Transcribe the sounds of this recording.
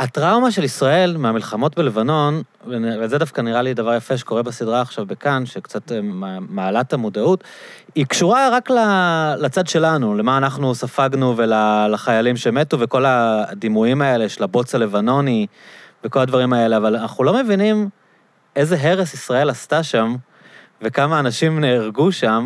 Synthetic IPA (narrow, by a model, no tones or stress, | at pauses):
atʁawmaʃe̞lisʁae̞lmeamilχamo̞tbele̞vano̞n | vvezedafkaniʁalidavaʁjafeʃ̬eko̞ʁebesidʁaːχʃavbekanʃekt͡satamaːlatamodautikʃuʁaʁaklalat͡sadʃe̞lanule̞maːnaχnusafaɡnuvelalaχajalimʃe̞me̞tuveko̞lad̪imuimae̞le̞ʃelabo̞t͡sale̞vano̞niveko̞ladvaʁimae̞le̞avalanaχnulome̞vinim | e̞zeɦe̞ʁesisʁae̞lastaʃam | ve̞kamaːnaʃimneːʁɡuʃam